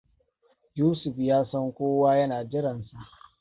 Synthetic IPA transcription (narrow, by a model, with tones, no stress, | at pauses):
juː˦sʊ˨ɸjaː˦sɐ˦ŋkʷoː˦waː˦jɐ˦naː˨d͡ʒɪ˦ɾɐ˨nsa˨ʔ